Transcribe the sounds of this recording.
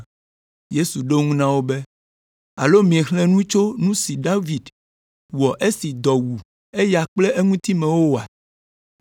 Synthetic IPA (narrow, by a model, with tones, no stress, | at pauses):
je˦su˨ɖo˦ŋũ˦nã˦wo˦be˦ | a̰˨lo˦mĩ˨e˨xlɛ̃˦nũ˦t͡ʃo˦nũ˦si˨ɖa˦vi˨d | wɔ˨ʔe˦si˨d̪ɔ˨wu˨ | e˦ja˨k͡ple˦e˦ŋũ˦t̪i˦mɛ̃˨wo˦˨a˨